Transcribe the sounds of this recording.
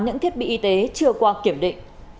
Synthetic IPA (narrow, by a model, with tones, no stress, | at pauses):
ɲɨ̰˧˥ŋt̪ʰi˦˥ət̚ɓḭ˧˨ʔi˨˧t̪e˨˦t͡ɕɨ˧əkwaː˧ki˧˩əmɗḭ˧˨ŋ